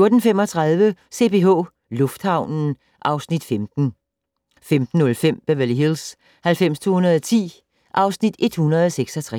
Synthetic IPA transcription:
jo̝ɐd̥n̩fem̰ɒt͡sʰʁɑð̞ˠʋəse̝pʰe̝ɔ̰ː | lɔ̽fd̥hɑ̈ʊ̰nn̩ | ʔɑ̈ʊsnid̥femd̥n̩ | femd̥n̩ːɔ̽lfem̰b̥æʋæliɦils | hælfem̰st͡sʰo̝̰ːhunɐðˠɒt͡sʰḭː | ʔɑ̈ʊsnid̥e̝d̥hunɐð̞ˠɒseɡ̥sɒt͡sʰʁɛ

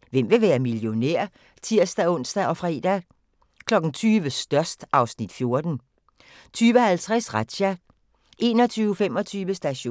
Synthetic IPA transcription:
ʋem̰ʋe̝ʋæːɐmiljo̝neɐ̰ | t͡sʰiɐ̰sd̥æɔ̽n̰sd̥æʔɒ̽fʁɛ̰ːd̥æ | kʰlɒ̽ɡ̥n̩t͡sʰyːʋəsd̥ɶɐsd̥ʔɑ̈ʊsnid̥fjo̝ɐd̥n̩ | t͡sʰyːʋəhælt͡sʰʁɛsʁad̥ɕæ | ʔe̝ːnɒ̽t͡sʰyːʊfemɒ̽t͡sʰyːʋəsd̥æɕo̝̰

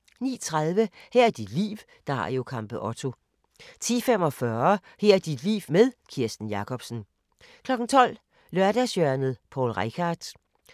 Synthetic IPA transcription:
nḭːt͡sʰʁað̞ˠʋəhɛɐæd̥id̥lḭːw | d̥ɑ̈ɑ̰jo̝kʰɑ̈m̰b̥əʔɒ̽t͡sʰo̝ | t͡sʰḭːfem̰ɒ̽fɶɐ | heɐ̰d̥id̥lḭːʋmeðˠkʰiɐsd̥n̩jɑ̈kʰɒ̽b̥sn̩ | kʰlɒ̽ɡ̥n̩t͡sʰɒ̽l̰ | lɶɐɾ̥æsjœɐnð̩ˠpʰɒ̰ːlʁekʰɑ̈ːd̥

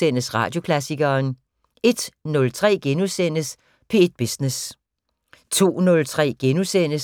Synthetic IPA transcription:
en̰əsʁɑ̰̈ːd̥jo̝kʰlæsiɡ̥ɐːn | e̝d̥nɔ̽lt͡sʰʁɛ̰ːɡ̥enusen̰əs | pʰe̝e̝d̥̚b̥isnes | t͡sʰo̝̰ːnɔ̽lt͡sʰʁɛ̰ːɡ̥enusen̰ə

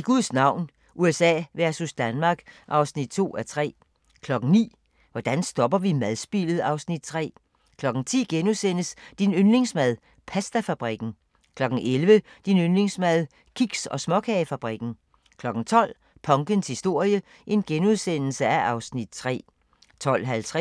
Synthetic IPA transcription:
iɡ̥uðˠsnɑ̈ʊ̰n | ʔuesɛ̰ːʋæɐsusd̥ænmɑ̈ːɡ̥ʔɑ̈ʊsnid̥̚t͡sʰo̝̰ːæɐt͡sʰʁɛ̰ː | kʰlɒ̽ɡ̥ŋ̩nḭː | ʋɒd̥ænsd̥ɒ̽b̥ɐʋimæðˠsb̥ḭlð̞̩ˠɑ̈ʊsnid̥̚t͡sʰʁɛ̰ː | kʰlɒ̽ɡ̥n̩t͡sʰḭːɡ̥enuðˠsen̰əsd̥inønle̝ŋsmæð̞ˠ | pʰæsd̥æfæb̥ʁiɡ̥n̩ | kʰlɒ̽ɡ̥ŋ̩ʔelʋəd̥inønle̝ŋsmæð̞ˠ | kʰiɡ̥sɒ̽smɒ̽kʰɛɪfæb̥ʁiɡ̥n̩ | kʰlɒ̽ɡ̥n̩t͡sʰɒ̽l̰ | pʰɒ̽ŋɡ̥ənshisd̥o̝ɐ̰jə | ʔe̝nɡ̥enuð̞ˠsen̰l̩səæʔɑ̈ʊsnid̥̚t͡sʰʁɛ̰ː | t͡sʰɒ̽l̰ɦælt͡sʰʁ

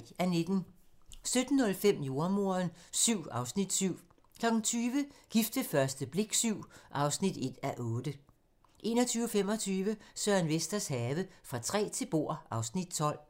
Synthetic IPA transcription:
æned̥n̩sød̥n̩ːɔ̽lfem̰jo̝ɐmo̝ɐnsyʊ̰ɑ̈ʊsnid̥syʊ̰ | kʰlɒ̽ɡ̥ŋ̩t͡sʰyːʋəɡ̥ifd̥əfɶɐsd̥əb̥le̝ɡ̥syʊ̰ʔɑ̈ʊsnid̥e̝d̥æʔɔ̽ːd̥ə | ʔe̝̰ːnɒ̽t͡sʰyːʊfem̰ɒ̽t͡sʰyːʋəsœɐænʋesd̥ɐshɛːʋəfʁɑ̈t͡sʰʁɛ̰ːt͡sʰe̝lb̥o̝ɐ̰ʔɑ̈ʊsnid̥̚t͡sʰɒ̽l̰

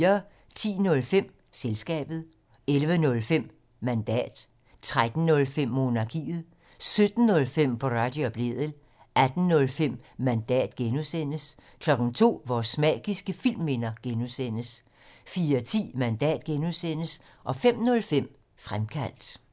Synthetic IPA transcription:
ɐ | t͡sʰḭːnɔ̽lfem̰ | selsɡ̥ɛ̰ːb̥ð̞̩ˠ | elʋənɔ̽lfem̰ | mænd̥ɛ̰ːd̥ | t͡sʰʁad̥n̩nɔ̽lfem̰ːo̝nɑ̈kʰḭːð̩ˠ | sød̥n̩ːɔ̽lfem̰pʰɒʁɑ̈d̥job̥le̝ð̰ˠəl | ʔæd̥n̩nɔ̽lfem̰mænd̥ɛ̰ːd̥ɡ̥enusen̰əskʰlɒ̽ɡ̥n̩t͡sʰo̝̰ːʋɒsmɛ̰ːɡ̥isɡ̥əfil̰me̝nɐɡ̥enusen̰əs | fiːɐt͡sʰḭːmænd̥ɛ̰ːd̥ɡ̥enuðˠsen̰əs | ʔɒ̽fem̰nɔ̽lfem̰ | fʁamkʰæl̰d̥

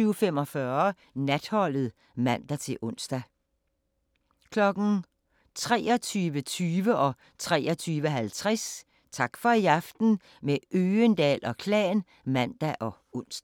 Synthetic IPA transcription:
yʊfem̰ɒ̽fɶɐ | næd̥hɒ̽l̰ð̞̩ˠ | mæn̰d̥æt͡sʰe̝lʔɔ̽n̰sd̥æ | kʰlɒ̽ɡ̥n̩ | t͡sʰʁɛ̰ːɒt͡sʰyːʋət͡sʰyːʋəʔɒ̽ | t͡sʰʁɛ̰ːɒt͡sʰyːʋəɦælt͡sʰʁɛs | t͡sʰɑ̈ɡ̥fɒ̽iɑ̈fd̥n̩ | meʔøːənd̥ɛ̰ːlɒ̽kʰlɛ̰ːn | mæn̰d̥æʔɒ̽ | ɔn̰sd̥

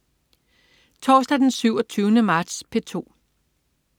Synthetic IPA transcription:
t͡sʰɒːsd̥æd̥ensyʊ̰ɒ̽t͡sʰyːʊnəmɑ̈ːd̥spʰe̝t͡sʰo̝̰ː

